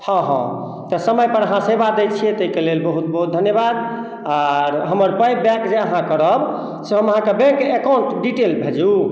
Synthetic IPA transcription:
hə̃ɦə̃ | t̪əsəməjpəɾəɦãsebad̪əjt͡ʃʰijet̪eikelelbəɦut̪̚bəɦut̪̚d̪ʱənjebad̪ | aɾɦəməɾpəjbɛ̃kd͡ʒeəɦãkəɾəb | seɦəməɦãkebɛ̃keekawɳʈɖiʈelbʱed͡ʒu

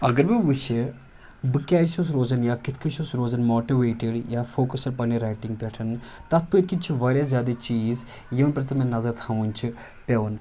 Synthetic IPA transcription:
ɐɡɐɾbiʋɨʃi | bɨkʲaːʃus̬ɾoːzɐnjaːkɪt̪ʰkiʃusɾoːzɐnmoːʈiʋeːʈɪɖjaːfoːkɐsɐɽpɐniɾaːʈiŋɡ̚pʲɛʈʰɐnt̪ɐt̪̚ʰpɨt̪kit̪̚t͡ʃʰiʋaːɾjaːzjaːd̪et͡ʃiːz | jiʋɐnpɾɐt̪ɐmẽnɐzɐɾt̪ʰɐʋunʲt͡ʃʰi | pʲeʋɐn

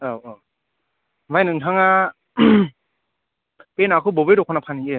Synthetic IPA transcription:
awa | majnɯŋtʰaŋa | penakʰɯbobɯɾokʰɔnapʰanie

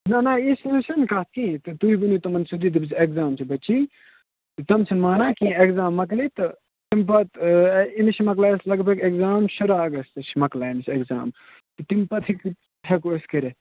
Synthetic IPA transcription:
nɐnɐisnusɐnkɐt̪̚ʰkĩːt̪ɨt̪uibɐnuːt̪ɐmɐnsud̪iːt̪̬ɐbit͡sekzaːmt͡ʃʰibɐt͡ʃiː | t̪ɨt̪ɐmt͡sʰɐnmaːnaːkĩːeɡzaːmːɐk̬liːt̪ɨ | t̪impɐt̪iniʃimɐklaːjslɐɡpɐkeɡzaːmʃɐɾaːɐɡɐst̪ɨʃʰmɐklaːiniseɡza̰ːm | t̪ɨt̪impɐt̪ʰikʰ | ekoskɐɾe

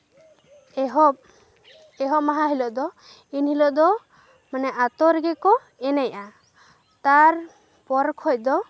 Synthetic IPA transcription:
ɦɔ | ɛɦɔmaɦaɦilɔʔd̪ɔ | inhilɔʔd̪ɔ | manɛʔat̪ɔɾɛɡɛkɔ | ɛnajʔa | t̪aɾ | pɔɾkʰɔc̚d̪ɔ

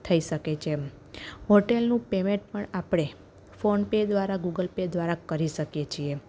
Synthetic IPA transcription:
t̪ʰəiʃəket͡ʃʰe | ɦoʈelnũpemẽɳʈ̚pəɳapɽ̃e | fonped̪ʋaɾaɡuɡəlped̪ʋaɾakəɾiʃəkjet͡ʃʰie

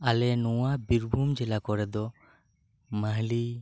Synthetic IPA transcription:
alɛnuwabiɾbʱumd͡ʒɛlakɔɾɛd̪ɔ | məɦli

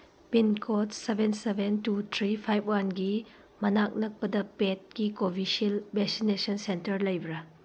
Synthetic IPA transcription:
pinkʰotsebʱensebʱentut̪ʰɾipʰajpʰwanɡi | mɐnak̚nɐk̚pɐdɐpet̚ɡikobʱisilbesinesɔnsentɐɾlɐjbɾɐ

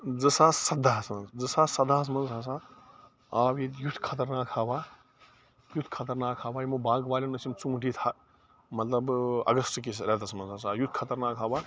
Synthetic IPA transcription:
d͡zɨsaːsɐd̪ʱaːsmɐnzd͡zɨsaːsɐd̪aːs̬mɐnzɦas̬aː | aːʋjit̪jut̪ʰkʰɐt̪̬ɐɾnaːkʰaːʋaː | jut̪ʰkʰɐt̪ɐɾnaːkʰaːʋaːjimubãːɡʋaːlʲɐnɐsimt͡sũːʈit̪ʰa | mɐt̪lɐbɐ̰ɡɐstkisɾɛt̪ɐsmɐnzɦasajut̪ʰkʰɐt̪ɐɾnaːkʰɦaːbaː

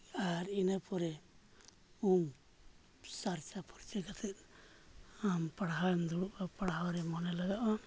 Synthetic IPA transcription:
aɾinapɔɾɛ | um | saɾt͡ʃapɔɾt͡ʃɛkat̪ʰɛt̪̚ | ampaɽɦaɛmd̪uɽuʔapaɽɦawɾɛmɔnɛlaɡaʔɔn

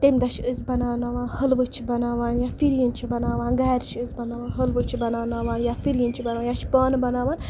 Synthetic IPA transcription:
t̪emd̪ɐt͡ʃʰɨzʲbɐnaːnaʋaːnhəlʋɨt͡ʃʰibɐnaːʋaːnjafiɾjint͡ʃʰibɐnaːʋaːnɡaːɾt͡ʃʰɨzʲbɐnaːʋaːnɦəlʋɨt͡ʃʰibɐnaːnaːʋaːnjaːfiljint͡ʃʰibɐnaːaːnjaːt͡ʃʰpaːnbɐnaːʋaːn

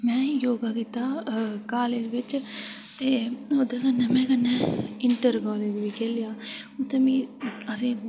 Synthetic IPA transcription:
mɛ̃ːjoːɡaːkiːt̪aːkaːleːd͡ʒʋɪt͡ʃ | t̪eːod̪eːkənːɛːmɛ̃ːkənːɛːɪɳʈəɾkaːleːd͡ʒʋiːkɛːlɪjaːʊt̪ːebĩːəsĩː

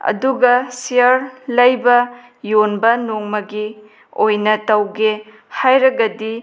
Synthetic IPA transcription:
ɐ̰duɡɐsiɐɾlɐjbɐ | jonbɐnoŋmɐɡi | ojnɐtɐwɡe | hajɾɐɡɐdi

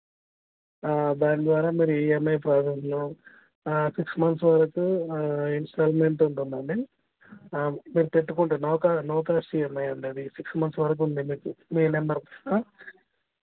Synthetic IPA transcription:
d̪aːɳd̪ʋaːɾaːmiːɾuiɛmɐjpɾaːsesno | siksmɐnsʋɐɾɐkuinsʈaːlmeɳʈuɳʈund̪ɐːɳɖi | miːɾut̪eʈːukoɳʈenɔːkanɔːkaːsiemːɐjɐɳɖiɐd̪isiksmɐnsʋɐɾɐk̬und̪imiːkumiːnembɐɾaː

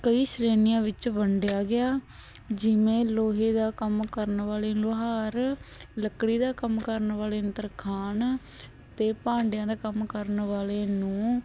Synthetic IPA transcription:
kəiːʃɾeːnɪjãːʋɪt͡ʃʋəɳɖɪjaːɡɪaː | d͡ʒɪʋẽːloːɦeːd̪aːkəmkəɾnʋaːleːloɦaːɾləkɽiːd̪aːkəmkəɾnʋaːleːənt̪əɾkʰaːn | t̪eːpãːɳɖjãːd̪aːkəmkəɾnʋaːleːnũː

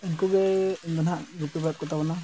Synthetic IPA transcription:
ɛnkuɡɛɛnd̪ɔnaʔɡupibɾat̪̚kɔt̪ʰabɔna

